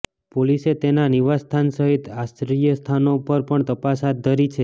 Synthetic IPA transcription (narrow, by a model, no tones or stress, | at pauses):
poliset̪enaniʋast̪ʰansəɦit̪asɾijəst̪ʰanopəɾpəɳt̪əpasɦat̪̚d̪ʱəɾit͡ʃʰe